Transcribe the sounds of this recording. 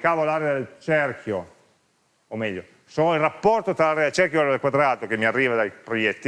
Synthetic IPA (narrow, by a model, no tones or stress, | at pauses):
kaːvolaɾead̪elt͡ʃɛrk̟ʰjo | omɛʎːo | soirapːɔrt̪ot̪ɾalaːɾead̪elt͡ʃɛrkjoaɾd̪elkwad̪ɾaːt̪ok̟emːiarːiːvad̪ajpɾojɛt̪ːi